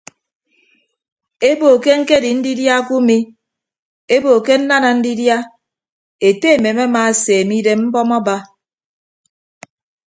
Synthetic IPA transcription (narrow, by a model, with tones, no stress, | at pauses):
e˦bo˨ke˦ŋ̩˦ke˦˨di˨n̩˦di˦dja˦ku˦mi˦ | e˦bo˨ke˦n̩˦na˦na˨n̩˦di˦dja˦ | e˨te˦e˨me˨me˦ma˨seː˨mi˦de˦m̩˦bɔ˦mɔ˦ba˦